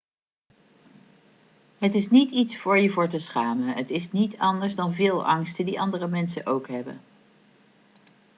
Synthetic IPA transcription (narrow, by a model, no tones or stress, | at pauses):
ɦətɪsnititsfʊːɹjəvʊːɹtəsχaːmənɦətɪsnitɑndəɹzdɑnvɪːlˠɑŋstədiʔɑndərəmɛnsənʔowkɦɛbə̰n